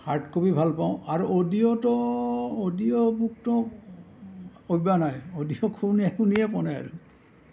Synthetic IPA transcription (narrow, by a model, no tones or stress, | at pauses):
haɹtkobibʱalpaʊ̃aɹuʔodijɔtɔodiɔbuk̚tɔ | ojbanajodijɔkʰuniɛkunijɛpɔnɛa̰ɹu